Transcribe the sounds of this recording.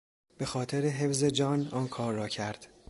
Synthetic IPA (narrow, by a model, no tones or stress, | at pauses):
b̥e̞xɒːt̪ʰeɾeɦe̞fzed͡ʒɒːnɒːnkʰɒːɾːɒːcʰæɾd̪̥